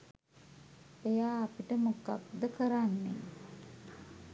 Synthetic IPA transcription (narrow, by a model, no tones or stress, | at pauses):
ejaːpiʈəmuka̰p̚d̪əkəɾanːḛ